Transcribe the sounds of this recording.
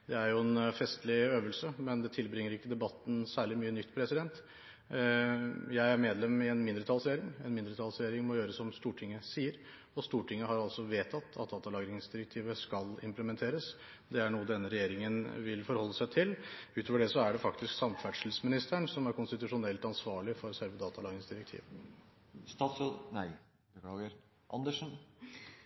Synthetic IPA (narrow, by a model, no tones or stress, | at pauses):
d̪ɛæɾjʊɛnfɛst̪lɪøːʋəlsəmɛnd̪ɛt̪ʰɪlbɾɪŋːəɾɪkːəd̪ɛbɑt̪ːn̩sæːɭɪmyːənʏt̪ːpʰɾɛsɪd̪ɛnt̪ | jæɪæɾmeːd̪lɛmɪɛnmɪnd̪ɾət̪ʰɑlsɾɛjeːɾɪŋɛnmɪnd̪ɾət̪ʰɑlsɾɛjeːɾɪŋmɔjøːɾəsɔmst̪uːʈʰɪŋːəsiːəɾ | ɔst̪uːʈʰɪŋːəhɑɾɑlsɔʋeːt̪ʰɑt̪ʰːɑ̰t̪̚d̪ɑːt̪ɑlɑːɡɾɪŋsd̪ɪɾək̚t̪ʰiːʋəskɑlɪ̰mpləmɛnt̪ʰeːɾəs | d̪ɛæɳuːəd̪ɛnːəɾɛjeːɾɪŋənʋɪlfɔɾhɔlːəsæɪt̪ʰɪlʉːt̪ʰoːʋəɖɛsɔæɖɛfɑk̚t̪ɪsksɑmfæʈʂl̩smɪnɪst̪əɳsɔmæɾkʊnst̪ɪt̪ʉʂʊnɛlt̪ɑnsʋɑːɭɪfɔɾɔsæɾʋəd̪ɑːt̪ɑlɑːɡɾɪŋsd̪ɪɾək̚t̪ʰḭːʋ | st̪ɑːt̪snæɪ | bəkʰlɑːɡəɾ | ʔɑ̰nd̪əʂn